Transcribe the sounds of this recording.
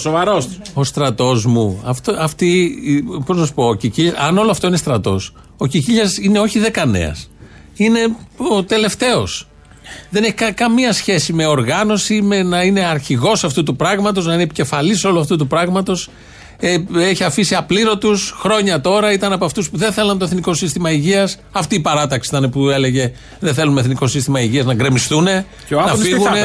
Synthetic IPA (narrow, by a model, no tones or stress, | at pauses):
sovɐɾoso̞st̪ɾɐt̪o̞zmuɐft̪oɐft̪ipoznɐsu̥po̞ːciciʎɐɐno̞loɐft̪o̞inest̪ɾɐt̪o̞̰s | o̞ciciʎɐsine̞o̞çiðe̞kɐne̞̰ɐ̰s | ine̞ot̪e̞le̞ft̪e̞o̞̰s | ðe̞ne̞çi̥kɐkɐmiɐsçe̞sime̞o̞ɾɣɐno̞simenɐine̞ɐɾçiɣo̞sɐft̪ut̪upɾɐɣmɐt̪o̞znɐinepice̞fɐliso̞luɐft̪ut̪̬upɾɐɣmɐt̪o̞s | eeçiɐfisiɐpliɾo̞t̪usxɾo̞ɲɐt̪o̞ɾɐit̪ɐnɐpoɐft̪uspuðenθe̞lɐnt̪o̞eθniko̞sist̪imɐiʝiɐs | ɐft̪iːpɐɾɐt̪ɐksiit̪ɐnepue̞le̞ʝe̞ | ðenθe̞lumeθniko̞sist̪imɐiʝiɐznɐɡɾe̞mist̪une̞ | nɐfiɣune